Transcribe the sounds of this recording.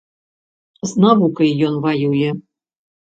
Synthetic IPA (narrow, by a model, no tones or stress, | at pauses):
znɑβukəjjonvɑjujə̆